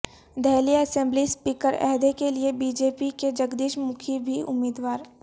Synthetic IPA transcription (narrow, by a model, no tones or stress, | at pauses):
d̪ɛɦlijaɐsẽmblispiːkəɾɛ̰ɦd̪ekeliebiːd͡ʒeːpiked͡ʒɐɡd̪iːʃmʊkʰibʱiʔʊ̰miːd̪waːɾ